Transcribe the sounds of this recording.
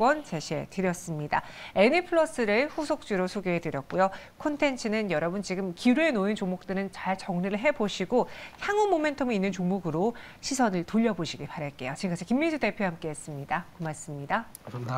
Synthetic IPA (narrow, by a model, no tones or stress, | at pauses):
wʌnt͡ɕeɕʰe̞̰tɯɾjʌs͈ɯmɲida̰e̞nipʰɯɭʌs͈ɯɾɯɭɸusʰok̚t͡ɕ͈uɾosʰoɡeɦedɯɾjʌt̚k͈ujo | kʰontʰe̞nt͡ɕʰɯnɯnjʌɾʌbunt͡ɕiɡɯmkiɾue̞noint͡ɕomok̚t͈ɯɾɯnt͡ɕaɭt͡ɕʌŋniɾɯɭɦe̞boɕʰiɡoçjaŋumome̞ntʰomiinːɯnt͡ɕoŋmuɡɯɾo | ɕʰisʰʌnɯɭtoʎːʌboɕʰiɡipaɾjʌt̚k͈e̞jot͡ɕiŋk͈ʰad͡ʑʰikimːid͡ʑude̞pʰjoɦamk͈e̞ɦes͈ɯmɲidakumas͈ɯmɲida